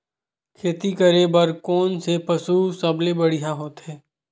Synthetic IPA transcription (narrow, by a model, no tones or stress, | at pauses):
kʰeːt̪ikəɾebəɾkɔːnsepɐsuːsɐblebɐɽ̤iɦaɦoːt̪ɦɛː